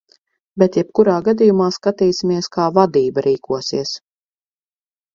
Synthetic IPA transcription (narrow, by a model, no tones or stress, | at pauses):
bɛt̪jɛp̚kuɾaːɡad̪ijumaːskat̪iːsʲimiɛskaːvad̪iːbaɾʔiːkuɔsiɛs